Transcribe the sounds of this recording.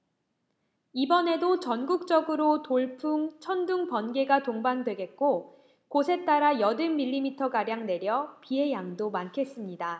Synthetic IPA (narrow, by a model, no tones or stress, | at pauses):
ibʌne̞dot͡ɕʌnɡuk̚t͡ɕ͈ʌɡɯɾotoɭpʰuŋt͡ɕʰʌnduŋpʌnɡe̞ɡatoŋbandwe̞ɡe̞t̚k͈o | kosʰe̞t͈aɾajʌdɯnmiʎːimitʰʌkaɾjaŋne̞ɾjʌpiɦe̞jaŋdomankʰe̞s͈ɯmɲida